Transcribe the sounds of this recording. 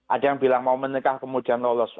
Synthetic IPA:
ʔad̥ajaŋbilaŋmaumənikahkəmud̥ianlɔlɔs

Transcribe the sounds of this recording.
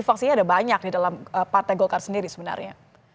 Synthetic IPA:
fak̚siɲadabaɲak̚didalaməpart̪aɡokarsəndiɾisəbəna̰rɲa̰

